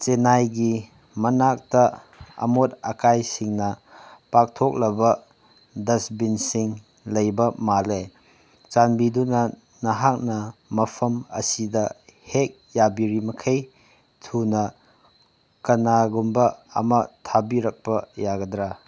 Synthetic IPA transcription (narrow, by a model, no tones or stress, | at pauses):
t͡ʃenajɡi | mɐnak̚tɐ | ɐ̰mot̚ɐkajsiŋnɐpak̚tʰok̚lɐbɐ | dɐsbinsiŋ | lɐjbɐmale | t͡ʃanbidunɐ | nɐɦak̚nɐmɐpʰɐmɐ̰sidɐhek̚jabiɾimɐkʰej | tʰunɐ | kɐnaɡumbɐɐ̰mɐtʰabiɾɐk̚pɐjaɡɐdɾa